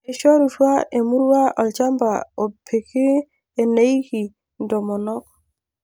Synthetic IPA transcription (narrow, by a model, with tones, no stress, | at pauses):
e˨ʃɔ˦ɾu˨twa˦e˨mu˦ɾwa˦ʔɔ˨t͡ʃa˦mba˨o˨pʰe˨kɪ˦ | e˨ne˦i˦ki˨ | ndɔ˨mɔ˨nɔ˦k